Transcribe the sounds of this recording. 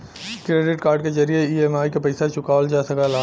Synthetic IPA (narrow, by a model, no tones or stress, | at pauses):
kɾeːɖɪʈkaːɾɖkezɐɾijeieːmaːikepɐɪsat͡ʃʊkaːld͡ʒaːsɐkalaː